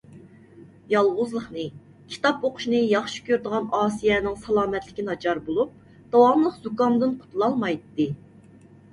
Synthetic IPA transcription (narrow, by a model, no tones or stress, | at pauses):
jɑlˠʁʊzlˠəχnɨ | kʲʰi̥t̪ɑpoqʰʊ̥ʃnɨjɑχʃi̥kʲøɾd̪əʁɑnɑːsijɛnɪŋsɑlˠɑːmɛt̪lɪkʲinɑd͡ʒɑɾbolˠup̚ | d̪̥ɑwɑmlˠəqzukɑnd̪ɨnqʰʊ̥t̪ʰlˠɑlˠmɑjt̪ːɨ